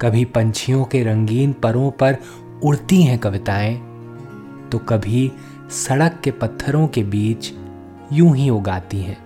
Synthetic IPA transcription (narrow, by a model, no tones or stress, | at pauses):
kɐbʱipɐ̃ɲt͡ʃʰijõkeɾɐ̃ŋɡiːnpɐɾõpɐɾ | ʊɽt̪iɦɛ̃kɐʋɪt̪aːẽ | t̪okɐbʱi | sɐɽəkːepɐt̪ʰːəɾõkebiːt͡ʃ | jũːɦĩoːɡaːt̪iɦɛ̃ː